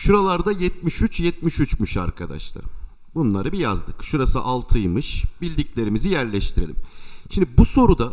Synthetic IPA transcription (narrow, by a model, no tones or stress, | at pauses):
ʃuɾalˠaɾd̪ajɛt̪̚miʃyt͡ʃjɛt̪̚miʃyt͡ʃmyʃa̰ɾkʰad̪a̰ʃlˠa̰ɾ | bunlˠaɾɯbija̰zd̪ɯkʃuɾasɯʔalˠt̪ʰɯjmɯʃbilʲd̪iclʲe̞ɾimizijæɾlʲɛʃt̪ʰiɾelʲḭmʃind̪ibuso̞ɾud̪a